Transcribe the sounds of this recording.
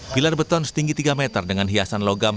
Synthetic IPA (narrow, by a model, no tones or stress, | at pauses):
b̥ilarbət̪ɔnsə̥t̪iŋɡit̪iɡamɛt̪ərdəŋanɦiasanloɡam